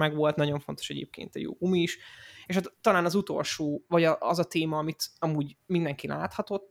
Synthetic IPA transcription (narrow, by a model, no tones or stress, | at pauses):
mɛɡʋo̞lt̪nɒɟo̞ɱfo̞nt̪o̞̥ʃɛ̰ɟḛːp̚kḛːnt̪ɒjo̰ːɡumiːʃeːʃat̪ːɒlaːnɒzut̪o̞̰lʃoːvɒɟɒʔɒzɒt̪eːmɒːmit̪ɒmuːɟmind̪ɛŋkilʔaːt̪hɒt̪o̞t̪ː